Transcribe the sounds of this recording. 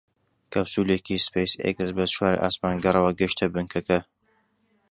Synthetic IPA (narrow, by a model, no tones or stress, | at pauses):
kɐbsulekispejsḛɡɨzbɐzʃwaːɾḭʔa̰ːsmaːnɡɐrɐwɐɡɨʃt̪ʰɐbɨŋkʰɐkɐ